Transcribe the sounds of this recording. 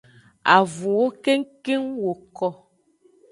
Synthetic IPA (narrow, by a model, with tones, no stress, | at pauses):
a˨vũ˨wo˦ke˦ŋ˦ke˦ŋwo˨kɔ˦